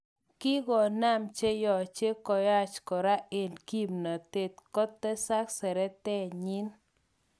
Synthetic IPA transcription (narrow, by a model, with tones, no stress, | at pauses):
ki˦ɡɔ˨na˦˨mt͡ʃe˦jɔ˨t͡ʃe˦kɔ˨ja˦˨t͡ʃkɔ˨ɾa˦e˨nki˦mna˨t̪e˨t̪̚kɔ˦t̪ːɛ˦sa˦ksɛ˨ɾɛ˦t̪ɛ˦ɲi˦n